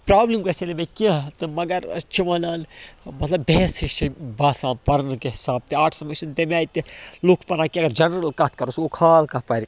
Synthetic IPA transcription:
pɾaːblimkɐsenemẽkit̪ɨmɐɡɐɾ̰t͡ʃʰiʋɐnaːnmɐt̪ʰlɐbbeːsiʃibaːsaːmpɐɾnkeɦɪsaːb̚t̪eaːʈʰsɐmɐʃunt̪emaːit̪elukʰpɐnaːkiɐɡɐɾd͡ʒɐnɾɐlkɐt̪̚ʰkɐɾosokʰaːlkɐpaːɾ

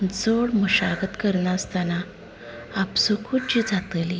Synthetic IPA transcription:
d͡zoɽməɕaɡət̪kəɾɳast̪anaː | psɔkʰuʈd͡ʑiːd͡zat̪əli

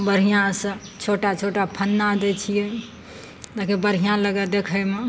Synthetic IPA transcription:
bəɾɦijãsə̃t͡ʃʰoʈat͡ʃʰoʈapʰənːad̪et͡ʃʰijɛ | t̪akebəɾɦijãləɡɛd̪ekʰəme

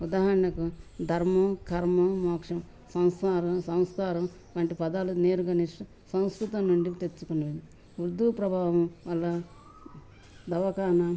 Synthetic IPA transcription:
ud̪aːɦɐɾɐɳɐkud̪ʱɐɾmɐkʰɐɾmɐmaːkʂɐm | sɐw̃saːɾɐmsɐw̃sk̪aːɾɐm | ʋɐːɳʈipɐd̪aːluneːɾuɡɐniʂʈɐ | sɐ̃w̃skɾut̪ɐmnuɳɖit̪et͡ʃːukunɐʋed̪i | ʋuɾd̪ːupɾɐbʱaːʋɐmʋɐlːɐ | d̪ɐʋɐkaːnɐ

